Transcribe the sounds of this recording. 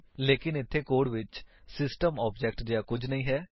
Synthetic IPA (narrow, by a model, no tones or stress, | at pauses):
leːkɪnɪt̪ʰːeːkoːɽʋɪt͡ʃsɪsʈəmɔːbd͡ʒɛk̚ʈd̪ɪjaːkʊd͡ʒʱnəĩːɦɛː